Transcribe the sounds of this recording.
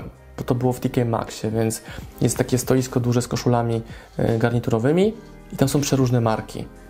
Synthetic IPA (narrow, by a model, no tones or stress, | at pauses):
b̥ɔt̪ɔbɘwɔft̪ʲikʲɛjma̰kɕɛvʲjɛnt̪sjɛst̪ːakʲɛst̪ɔjiskɔd̪uʐɛskɔʂulamʲi | ɡaɾɲit̪uɾɔvɘmʲi | it̪amsɔ̃w̃pʂɛɾuʐnɛmaɾkʲḭ